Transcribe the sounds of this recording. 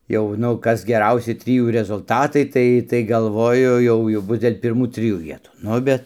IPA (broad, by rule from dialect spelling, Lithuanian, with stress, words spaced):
ˈjɛʊ nʊ ˈkɐs ɡʲɛˈrɐʊsʲɪ ˈtʲrʲɪjuː rʲɛzʊlˠˈtɑːtɐɪ ˈtɐɪ ˈtɐɪ ɡɐlˠˈʋoːjʊ ˈjɛʊ jɛʊ ˈbʊs dʲeːlʲ pʲɪrˈmuː ˈtʲrʲɪjuː ˈʋʲiɛtuː ˈnʊ bʲɛt